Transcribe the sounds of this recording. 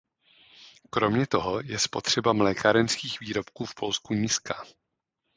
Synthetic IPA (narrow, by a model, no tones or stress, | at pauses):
kɾo̞mɲɛt̪o̞ɦo̞jɛspo̞t̪r̝̥ɛbamlɛːkaɾɛnskiːxviːɾo̞pkuːfpʰo̞lskuɲiskḁ